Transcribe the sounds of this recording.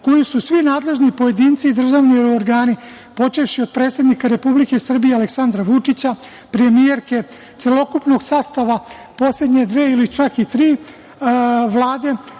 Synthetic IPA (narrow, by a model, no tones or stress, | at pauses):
ko̞jisusʋinaːd̪le̞ʒnipo̞je̞d̪iːnt̪sid̪r̩ʒaʋnioɾɡaːni | po̞t͡ʃe̞fʃio̞d̪̚pɾe̞ːt̪se̞d̪nikaɾe̞publike̞sr̩bije̞aleksand̪ɾaʋut͡ʂit͡ɕa | pɾe̞mije̞ɾke̞ | t̪selo̞kupno̞ɡsaːst̪aʋa | po̞sle̞d̪ɲed̪ʋeːilit͡ʃakit̪ɾiː | ʋlˠaːd̪e̞